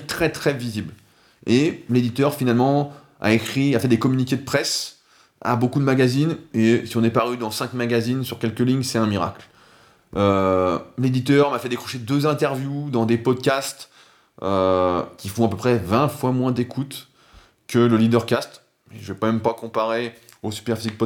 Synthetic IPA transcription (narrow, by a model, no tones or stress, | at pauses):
t̪χɛt̪χɛvizibl | eled̪it̪œʁfinalmɑ̃ | a̰ekχiafɛd̪ekɔmynikʲed̪əpχɛs | a̰bokud̪əmaɡʲazinesiɔ̃nɛpaʁyd̪ɑ̃sɛ̃kmaɡʲazinsyʁkʲɛlkəlĩɲsɛt̪ɛ̃miʁa̰kl | ø | led̪it̪œʁmafɛd̪ekχɔʃed̪øzɛ̃t̪ɛʁvjud̪ɑ̃d̪epɔd̪kʲast̪ | økʲifɔ̃apøpχɛvɛ̃fwamwɛ̃d̪ekʰut̪ | kələlid̪œʁkast̪ | mɛʒəvɛkmɛmpakɔ̃paʁe | osy̥pɛʁfizik̚pɔ